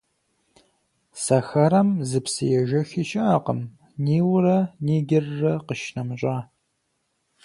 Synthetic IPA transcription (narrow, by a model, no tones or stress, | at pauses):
sɐxɐɾɐmzɨpsɨjɛʒɐxɪʃɐaqə̰m | niːwɾɐniːɡʲɪrːɐqəʃnɐmɕʼaː